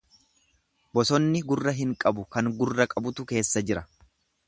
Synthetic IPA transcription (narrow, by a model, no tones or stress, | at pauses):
bɔsɔnːɪɡʊrːɐɦɪŋkʼɐbʊkɐŋɡʊrːɐkʼɐbʊt̪ʊke̞ːsːɐd͡ʒɪɾɐ